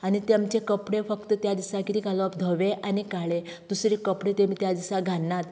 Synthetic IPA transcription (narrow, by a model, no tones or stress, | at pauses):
anit̪jamt͡ɕekəpɽefəkt̪ət̪jad̪isãkit̪iːkalɔəpd̪ʱəʋeʔanikaɭe | t̪usɾikəpɽet̪emiːt̪jad̪isaɡʱanːat̪